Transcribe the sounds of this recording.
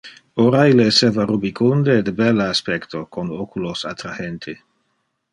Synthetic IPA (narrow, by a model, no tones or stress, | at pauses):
oɾaileːseːvarubikund̪ed̪ebɛlːaaspɛkt̪okonokulosat̪ɾahent̪ʰe